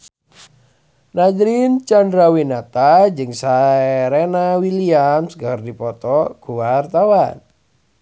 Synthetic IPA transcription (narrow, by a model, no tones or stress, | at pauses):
nadɾint͡ʃandɾawinat̪ad͡ʒɨŋsaɛɾɛnawiliamsɡərdipɔt̪ɔɡ̥uwart̪awan